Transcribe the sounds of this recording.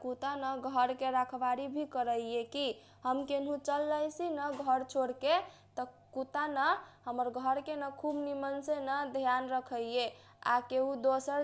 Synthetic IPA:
kut̪anəɡʱəɾkeɾakʰbaɾibʱikəɾəjeki | ɦəmkenɦũt͡ʃəlːəjsinəɡʱəɾt͡ʃʰoɽke | t̪əkut̪anəɦəməɾɡʱəɾkenəkʰubnimənsenəd̪ʱjanɾəkʰəe | a̰keɦũd̪osəɾ

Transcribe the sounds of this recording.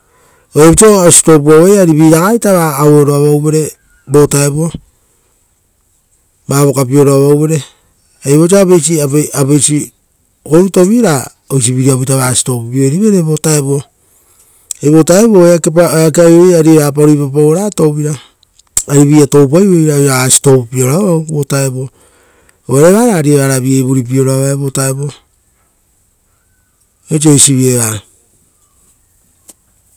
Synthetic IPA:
oeβitoasi̥to̞puawejaɾiβiɾaɡajtaβaːβoɾoaβawβe̞ɾe̞ | botaepua | maβokapio̞ɾoaβawβeɾe̞ | ajβot͡ʃaβejsiaeaβejsi | koitoβiɾa | ojs̬iβiɾiaβojtaβasi̥to̞puβioeɾiβeɾeβotaepuo | eβotaeβoakepaak̬eaoaɾieβap̬aɾojpapaɾatoβiɾa | aɾiβiato̞wp̬uajβejɾaɾaːsi̥to̞upioɾaβaotaeβo̞ | oeɾeβaɾaːɾieβaɾaβieβuɾip̬io̞ɾaβaeβotaeβo̞ | et͡ʃ̬iojsiβieβa

